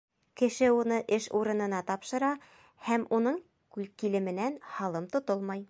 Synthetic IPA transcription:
kɘ̆ʃɘunɤʔɘʃuɾɤ̆nɤ̆nɑt̪ɑpʃɤ̆ɾɑ | hæmʔunɤɴ | kʉlkilɘ̆mɘ̆nænhɑlˠɤmt̪ŏt̪olˠmɑj

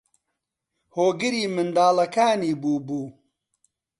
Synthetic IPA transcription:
hoːɡɨɾiːmɨnd̪aːlɐkaːniːbuːbuː

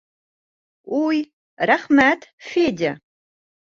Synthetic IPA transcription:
wuj | raχmatʰfeːdʲa

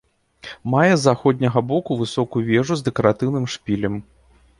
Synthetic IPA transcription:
majɛzaxɔd̪ʲnʲɐɣɐbɔkuvɨsɔkujuvʲɛʐuzd̪ɛkɐɾat̪ɨwnɨmʂpʲilʲɛm

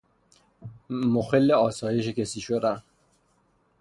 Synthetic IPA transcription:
moxelːeɒːsɒːjeʃecesiːʃod̪æn

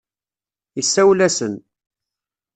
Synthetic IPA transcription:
isːæwlæsən

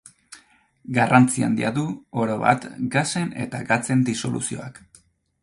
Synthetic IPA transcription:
ɡarant͡sia̰nd̪iaðuo̞ɾo̞βa̰t̪ɡase̞ne̞̰t̪aɡat͡se̞nd̪iso̞lʔṵsio̞ak

